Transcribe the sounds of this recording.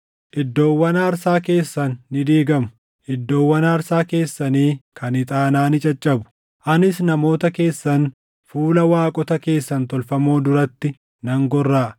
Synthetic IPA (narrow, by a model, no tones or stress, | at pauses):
ʔɪd̪ːo̞ːwːɐnɐːɾsaːke̞ːsːɐnːɪd̪iːɡɐmʊ | ʔɪd̪ːo̞ːwːɐnaːɾsaːke̞ːsːɐniːkʰɐnɪt̪ʼaːnaːnɪt͡ʃʼɐt͡ʃʼːɐbʊ̥ | ʔɐnɪsnɐmo̞ːt̪ɐke̞ːsːɐn | fuːlɐwaːkʼɔt̪ɐke̞ːsːɐnt̪ɔlfɐmoːd̪ʊɾɐt̪ːɪ | nɐŋɡɔrːaːʔ